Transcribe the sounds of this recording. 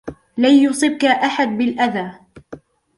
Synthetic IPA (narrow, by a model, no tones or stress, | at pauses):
lajjʊsˤɨb̚kaʔaħad̪̚bɪlʔaðaː